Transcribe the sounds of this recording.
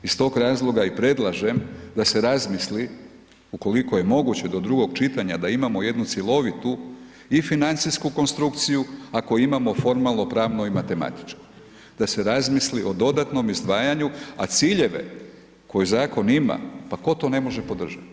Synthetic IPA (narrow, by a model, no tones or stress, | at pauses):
ist̪o̞ːɡɾaːzlˠo̞ɡaipɾe̞d̪lˠaʒe̞md̪ase̞ɾazmisli | uko̞liko̞je̞mo̞ɡut͡ɕe̞d̪o̞d̪ɾuɡo̞ɡt͡ʃit̪aɲad̪aimamo̞je̞d̪nut̪selˠo̞ʋit̪u | ifinant̪siskuko̞nst̪ɾukt̪sijuakoimamo̞fo̞ɾmalˠnopɾaːʋno̞imat̪e̞ma̰t̪i̥t͡ʃko̥ | d̪̥ase̞ɾazmisliʔo̞d̪o̞d̪at̪no̞mizd̪ʋaːjaɲua̰t̪siːʎe̞ʋe̞̰ | ko̞juzaːko̞nima̰pako̞t̪o̞ne̞mo̞ʒe̞po̞d̪r̩ʒat̪